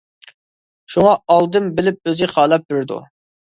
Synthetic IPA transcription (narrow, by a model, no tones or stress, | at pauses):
ʃuŋɑɑlˠd̪ɨmbɪlɪp̚øzɪχɑːlˠɑp̚d̪yɾd̪ṵ